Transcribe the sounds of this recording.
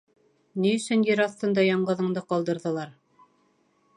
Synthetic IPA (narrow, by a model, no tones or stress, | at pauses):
niɵ̆sɵnjɘɾɑθt̪ɤ̆nd̪ɑjɑɴɢɤ̆ðɤ̆ɴd̪ɤqɑlˠd̪ɤ̆ɾðɤ̆lˠɑɾ